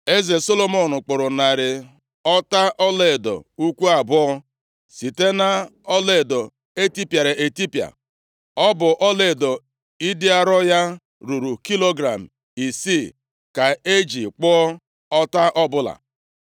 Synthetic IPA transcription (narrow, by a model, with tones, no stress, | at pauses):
e˦ze˨so˦lo˦mo˨nʊ˨k͡pʊ˨ɾʊ˨na˨ɾɪ˨ | ɔ˦ta˦ʔɔ˦le˨dɔ̰˨u˦kʷu˦a˨bʊ˦ɔ˦ | si˨te˦na˦ɔ˦le˨dɔ˨ | e˦ti˦pja˨ɾe˨ʔe˨ti˦pja̰˨ | ɔ˦bʊ˨ʔɔ˦le˨dɔ˨ | i˦dɪ˦a˦ɾɔ˦ja˦ | ɾu˨ɾu˨ki˦lo˦ɡɾa˨m̩˨ | i˨si˦˨ | ka˨e˦d͡ʒi˨k͡pɔ˦ɔ˦ | ɔ˦ta˦ʔɔ˦bʊ˦la̰˨